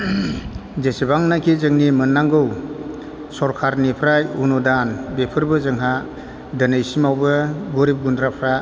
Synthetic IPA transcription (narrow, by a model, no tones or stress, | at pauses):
d͡ʒesibaŋnakʰizɯŋnimɯnːaŋɡɯw | sɔɾkʰaɾnipʰɾajunɔdanbepʰɯɾbɯzɯŋɦa | dənɯjsimawbɯɡɔɾip̚ɡundɾapʰɾa